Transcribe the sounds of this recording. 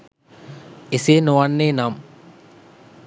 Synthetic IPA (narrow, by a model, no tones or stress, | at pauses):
eseːnoʋanːeːnam